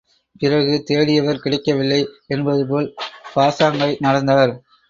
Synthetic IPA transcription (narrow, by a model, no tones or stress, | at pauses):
pɪrɐɣɯt̪eːɽɪjɐʋɐɾkɪɽɐɪkːɐʋɪlːɐɪɛnbɐðɯpoːlpaːsaːŋɡɐɪnɐɽɐnd̪aːɾ